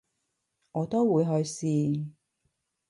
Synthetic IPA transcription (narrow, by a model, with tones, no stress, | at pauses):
ŋɔː˨˧t̪o˥wwuː˨˧jɦɵ˧ɥsiː˧